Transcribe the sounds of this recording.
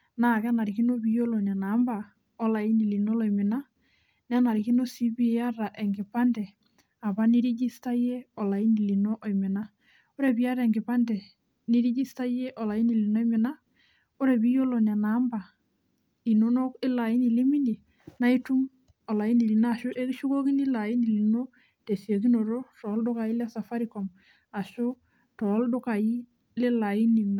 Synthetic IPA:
na˨kɛ˦na˨ɾi˨ki˦no˦bi˦jo˦lɔ˨n˨a˨na˨˦mba˨ | ɔ˦la˨i˦ni˨li˨nɔ˦lɔ˨i˨mɪ˨na˦ | nɛ˦na˨ɾi˨ki˦no˦si˦bi˦ja˦ɾa˨ʔɛ˨ŋɡɪ˨pa˦ndɛ˨ | a˨pa˦ni˦ɾi˦d͡ʒi˦sta˦jɛ˦ɔ˨la˨i˦ni˨li˨nɔ˦ʔɔ˨i˨mɪ˨na˦ | o˦ɾɛ˨bi˦a˦ɾɛ˨ŋɡɪ˨pa˦ndɛ˨ | ni˦ɾi˦d͡ʒi˦sta˦jɛ˦ʔɔ˨la˨i˦ni˨li˨nɔ˦i˦mɪ˨na˦ | o˦ɾe˨bi˦jo˦lo˨na˨na˨˦mba˨ | i˨no˨no˦kɪ˦la˨i˦ni˨li˦mi˦ni˨ | na˦i˦tu˦ŋ | ɔ˨la˨i˦ni˨li˨naː˦˨ʃo˦ʔe˦ki˦ʃu˦ko˦ki˦nɪ˦la˨ji˦ni˨li˨no˦ | te˨si˨e˨ki˦no˨ɾo˦tɔ˨˦ldʊ˦ka˨i˦lɛ˦sa˨fa˦ɾi˨kɔ˨m | a˨ʃo˦ | tɔ˨˦ldo˦ka˨ji˦ | le˦la˨i˦ni˨n˨

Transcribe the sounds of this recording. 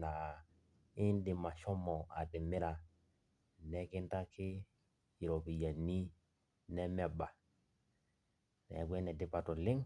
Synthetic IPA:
na˨ | i˦ndi˨ma˨ʃo˦mːo˨a̰˨di˨mːi˦ɾa˨ | ne˦ki˦nta˦ki˦ | i˨ɾo˨pi˨ja˨nːi˦ | ne˦me˦ba˨ | nḛ˨ɡʷe˦nɛ˨di˦pa˨to˨li˦ŋ

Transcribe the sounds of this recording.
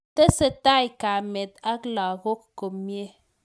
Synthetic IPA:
tə˦sə˦ta˦jka˨mɛ˨t̚a˦kla˨ɣo˦k̚ko˨mje˦˨

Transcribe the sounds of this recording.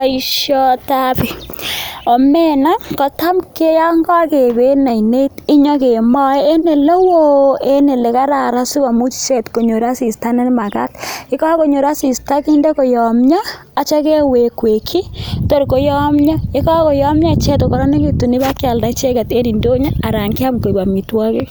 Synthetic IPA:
a˨˦i˦ʃjɔ˦ta˦pi˨ | ɔ˨mɛ˦na˦kɔ˨ta˦mke˦ja˦ŋɡɔ˦ke˨be˦na˨ine˦tɪ˦ɲɔ˦ke˨mɔ˦e˦ne˨lɔ˦wo˦e˦ne˨le˨ka˦ɾa˨ɾa˦su˦ba˨mu˦t͡ʃi̥˨t͡ʃɛ˦tko˨ɲo˨ɾa˦si˨sta˦nɛ˦nma˨ka̰˦tɪ˦ka˦ko˨ɲo˨ɾa˦si˨sta˦ki˦nde˦kɔ˨jɔ˨mɲaː˦˨ | t͡ʃa˦kɛ˦we˨kwe˨kʰi˦to˦ɾko˨˦jɔ˦mɲa˦ɪ˦kɔ˦ko˨jɔ˦mɲa˦˨t͡ʃɛ˦to˨kɔ˨ɾɔ˦ne˦ki˦tu˨ni˦ba˦kja˨lda˨t͡ʃɛ˦ka˨te˦ni˨ndo˦ɲa˦a˨ɾa˨ŋkɪ˦a˦mko˨ba˨mi˨twa˦ke˦

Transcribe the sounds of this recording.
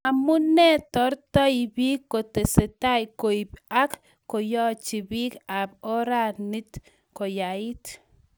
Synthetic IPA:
a˨mu˦nɛ˦tɔ˨˦ɾtɔ˦ibi˦kːo˨te˨se˨ta˦jko˨i˨pa˦kː | o˨jɔ˦t͡ʃi˨bi˦ka˨b̚o˦ɾa˦ni˦t | ko˨ja˨i˦t

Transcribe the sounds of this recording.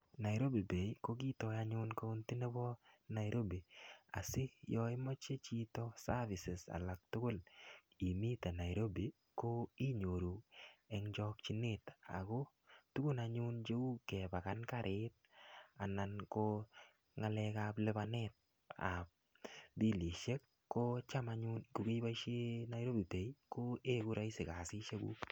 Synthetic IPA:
na˨jɾo˦bi˨be˨iko˦ɡi˦tɔ˨ja˦ɲʊ˦nka˦u˦nti˦ne˦bɔ˦na˨jɾo˦bi˨a̰˨sɪ˦jɔ˦ɪ˦mɔ˦t͡ʃe˦t͡ʃi˦tɔ˦sa˦vɪ˨sɪ˨sa̰˨la˨k̚tʊ˦ko˦l | i˨mi˦ta˨na˨jɾo˦bi˨ | ko˦i˦ɲo˨ɾu˨ɛ˨ŋd͡ʒɔ˦k̚t͡ʃi˦ne˦t̪a̰˨ɡo˦ | tu˦ɡʊ˦naɲʊ˦nt͡ʃe˦ɡu˦kɛ˨ba˨ka˦nkaɾʔe˦t̪̚ | a˨na˨nko | ŋa˦lɛ˧ka˦plɪ˦banɛt̚ | a̰˨p̚ | di˦li˨ʃe˦kːo˦t͡ʃa˦ma˨ɲʊ˦nku˨ke˦jba˦ʃe˦na˦jɾo˦bi˨te˨jko˦e˦ku˦ɾa˦i˦sɪ˨ka˨sɪ˦ʃe˦ɡṵ˦

